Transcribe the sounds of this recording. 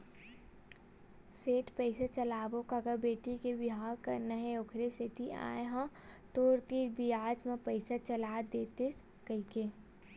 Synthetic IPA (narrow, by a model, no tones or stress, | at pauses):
seːʈpəɪset͡ʃɐlaːbõkaɡɐbeːʈikeʋɪɦaːɾkɐɾnaɦeʊkʰɾeset̪ia̰ːeɦãt̪oːɾt̪iːɾbʱiaːd͡ʒmẽpəɪsat͡ʃɐlaːd̪eːt̪es | kəikeː